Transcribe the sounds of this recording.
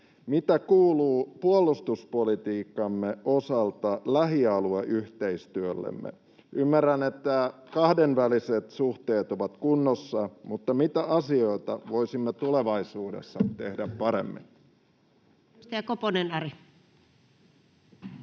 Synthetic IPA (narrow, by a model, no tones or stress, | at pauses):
mit̪ækuːluːpuolːˑust̪uspolit̪iːkːɑmːeosɑlt̪ɑlæɦiɑlueʔyht̪eist̪yølːḛmːḛ | ymːærːænet̪ːæ | kɑhdenʋæliset̪suht̪eːt̪oʋɑt̪kunːosːɑmut̪ːɑmit̪æʔɑsioit̪ɑʋoisimːet̪uleʋɑisuːdḛsːɑt̪ehdæppɑɾḛmːḭn | st̪eækoponenɑri